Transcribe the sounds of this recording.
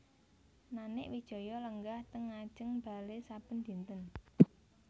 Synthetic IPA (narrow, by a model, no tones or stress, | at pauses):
nanɪʔwid̥ʒ̥ɔ̤jɔləŋɡaht̪əŋːad̥ʒ̥əŋb̥a̤lesab̥ənd̪̥i̤nt̪ən